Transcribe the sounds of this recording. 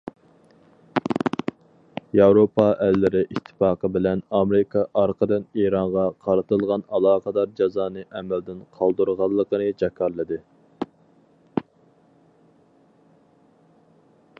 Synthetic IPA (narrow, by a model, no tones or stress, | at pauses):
jɑwɾopʰɑʔɛlːɪɾɪʔit̪ʰːpɑːqəbɪlɛnɑmɾɪkʰɑʔɑɾqʰəd̪ɨneɾɑɴʁɑqʰɑɾɨt̪ɨlˠʁɑnɑlˠɑːqəd̪ɑɾd͡ʒɑzɑːnɨʔɛmɛld̪ɪnqʰɑlˠd̪uɾʁɑlˠːəqənɨd͡ʒɛkʰɑɾlˠɨd̪ɨ